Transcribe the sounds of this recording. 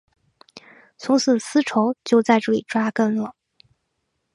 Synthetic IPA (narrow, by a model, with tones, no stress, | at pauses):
t͡sʰʊ˧˥ŋsɹ̩˨˩sɹ̩˥ʈ͡ʂʰo˧˥ʊt͡ɕjo˥˧ʊt͡sa˥˧ɪʈ͡ʂɤ˥˩li˨˩ʈ͡ʂwa˥kə˥nlə˩